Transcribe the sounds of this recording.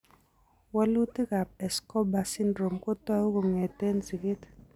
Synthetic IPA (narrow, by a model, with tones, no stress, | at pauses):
wa˦lu˦ti˦ka˨p̚ɛ˨skɔ˦ba˨si˦ndɾo˨mko˦twa˦o˦ko˨ŋɛ˨te˦nzi˨ke˦t